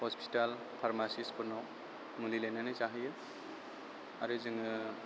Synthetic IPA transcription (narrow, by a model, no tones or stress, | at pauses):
hɔspʰi̥tal | pʰaɾmasispʰɯɾnɔw | mulilananɯzaɦɯjɯ | a̰ɾɯzɯŋɯ